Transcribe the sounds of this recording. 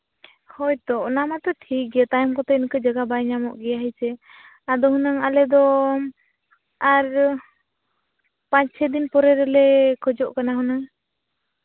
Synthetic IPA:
hɔjt̪ɔʔnamat̪ɔʈʰik̚ɛt̪ajɔmkɔt̪ɛinkəd͡ʒaɡabajɲamɔʔɡɛjaɦit͡ʃɛ | ad̪ɔɦunaŋalɛd̪ɔ | aɾ | paɲt͡ʃʰɛd̪inpɔɾɛɾɛlɛkʰɔd͡ʒɔʔkanaɦunaŋ

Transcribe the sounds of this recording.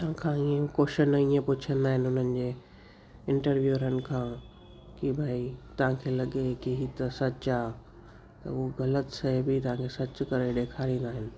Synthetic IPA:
t̪ɐʋãkʰãːiːẽkoːʃənɐiːẽpʊt͡ɕʰə̃nd̪aːɦɪnɪ̆ʊn̤ənɪ̆d͡ʑeː | ɪ̃ɳʈəɾʋjuːɾənɪ̆kʰãː | kibʱaːit̪ɐʋ̤ãkʰeːlɐɠekiɦit̪ɐsɐt͡ɕaː | t̪ɐ̰uoɣɐlət̪sɐbit̪ɐʋ̤ãkʰesɐt͡ɕʊkɐɾeɗeːkʰaːɾĩːn̆d̪aːɦɪnɪ̆

